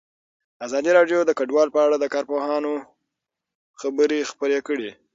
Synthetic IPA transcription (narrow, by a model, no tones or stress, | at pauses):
azɑd̪iɾɑɖjod̪əkaɖwɑlpəaɽad̪əkɑɾpoɦɑno | xabəɾexpəɾekəɽi